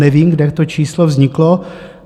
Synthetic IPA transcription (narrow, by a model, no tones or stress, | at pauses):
nɛviːmɡdɛt̪ot͡ʃiːslovzɲɪklo